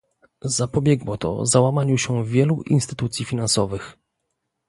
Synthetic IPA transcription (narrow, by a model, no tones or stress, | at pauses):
zapɔbʲjɛɡwɔt̪ɔ̰zawamaɲuɕɛvʲjɛluʔḭnst̪ɘ̥t̪ut̪sʲjifʲinansɔvɘx